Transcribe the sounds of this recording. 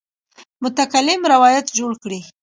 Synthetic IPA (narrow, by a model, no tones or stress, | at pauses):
mʊt̪akalɪmɾawɑjat̪d͡ʒoɽkɽi